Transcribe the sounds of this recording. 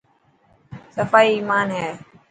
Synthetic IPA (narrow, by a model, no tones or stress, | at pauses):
səfaːiːmaːnɦɛː